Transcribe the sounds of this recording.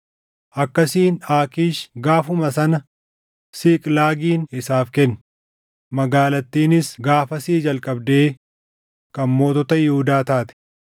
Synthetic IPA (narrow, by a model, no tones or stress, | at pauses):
ʔɐkːɐsiːnaːkiːʃɡaːfʊmɐsɐnɐ | siːkʼlaːɡiːnɪsaːfkɛnː | mɐɡaːlɐt̪ːiːnɪsɡaːfɐsiːd͡ʒɐlkʼɐbd̪eː | kɐnmo̞ːt̪ɔt̪ɐjɪhʊd̪aːt̪aːt̪ɛ̥